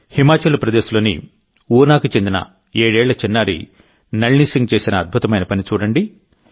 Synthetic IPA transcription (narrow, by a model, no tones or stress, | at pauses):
himaːt͡ʃɐlupɾɐd̪eːsulo̞ːnḭ | uːnaːkut͡ʃend̪inɐ̰ | eːɽɛːɭːɐt͡ʃinːaːɾḭ | nɐɭnisiŋɡ̚t͡ʃeːsinɐːd̪̚bʱut̪ɐmɐjnɐpɐnit͡ʃuːɽɐɳɖi